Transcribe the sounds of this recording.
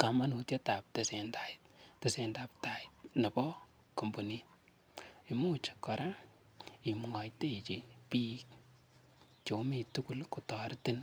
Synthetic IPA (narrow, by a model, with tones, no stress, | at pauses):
ka˨ma˦nu˨tje˦ta˨p̚te˨se˨ndaɪtte˨se˨ndap̚ta˨it̚nɐ˨bɔ˦ | ko˨mbo˨nit | i˨mu˦t͡ʃe̥˨kːɔ˨ɾa | i˨mŋa˨jte˦˨t͡ʃi˨pi˦k̚ | t͡ʃo˨mituku˦lku˨tɔ˨ɾti˦n